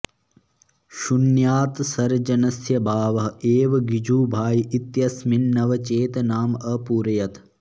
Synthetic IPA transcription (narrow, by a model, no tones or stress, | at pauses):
ʃunjaːt̪sɐɾd͡ʒɐnɐsjɐbʱaːʋɐɦeːʋɐɡid͡ʒuːbʱaːjiʔit̪jɐsminːɐʋɐt͡ʃeːt̪ɐnaːmɐpuːɾɐjɐt̪